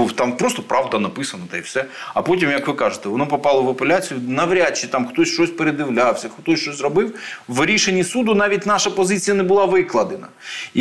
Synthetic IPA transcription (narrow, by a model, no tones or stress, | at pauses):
uwt̪ɑmpɾost̪ɔpɾɑʋd̪ɐnɐpɪsɐnɐd̪ɛjfsɛɐpotʲimjɐkʋɪkɑʒet̪ɛʋɔnɔpɔpɑlˠɔʋɐpelʲat͡sʲijʊnɐʋɾʲat͡ʃːit̪ɑmxt̪ɔsʲʃt͡ʃɔsʲpeɾed̪ɪwlʲawsʲɐxt̪ɔsʲt͡ʃɔsʲzrɔbɪwʋɾʲiʃenʲːisud̪ʊnɑʋʲitʲnɑʃɐpɔzɪt͡sʲijɐnɛbʊlˠɑʋɪklˠɐd̪enɐ